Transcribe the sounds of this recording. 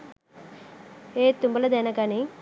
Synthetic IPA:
eːt̪umbɐlɐd̪ɛnɐɡaːni

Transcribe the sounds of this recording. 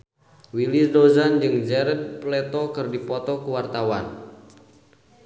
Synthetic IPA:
wilisdozand͡ʒɨŋd͡ʒɛɾɛd̚plɛt̪ɔkɨrdipɔt̪ɔkuwart̪awan

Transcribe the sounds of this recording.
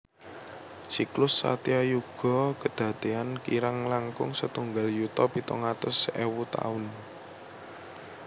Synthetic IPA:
siklʊsːa̰t̪iajuɡ̥ɔ̤kəd̪̥ä̤d̪̥e̤ankiɾaŋlaŋkʊ̰ŋsət̪uŋɡaljut̪ɔpit̪ɔŋat̪ʊsewut̪a̰ʊn

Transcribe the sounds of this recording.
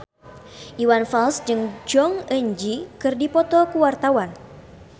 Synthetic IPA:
ʔiwanfalsd͡ʒɨŋd͡ʒɔŋəɲd͡ʒikɨrdipɔt̪ɔkuwart̪awan

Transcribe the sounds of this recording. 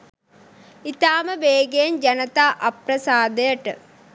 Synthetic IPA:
it̪aːmɐbeːɡejmd͡ʑɐnɐt̪aʔɐpɾɐsaːd̪ɐjɐʈːɨ̰

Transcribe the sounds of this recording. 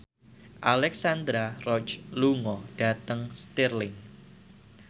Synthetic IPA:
ʔalɛksand̪ɾarɔt͡ʃluŋɔɖ̥a̤t̪əŋst̪irlɪŋ

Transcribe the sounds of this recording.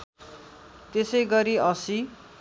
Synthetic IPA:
t̪esʌjɡʌɾiʌsi

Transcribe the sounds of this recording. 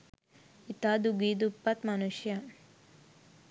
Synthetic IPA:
it̪aːd̪uɡiːd̪upːɐt̪mɐnuʃjɐ

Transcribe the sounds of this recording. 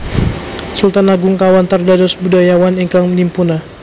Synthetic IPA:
sult̪anaɡuŋkawant̪ərdadɔsbudajawaniŋkaŋməlimpuna

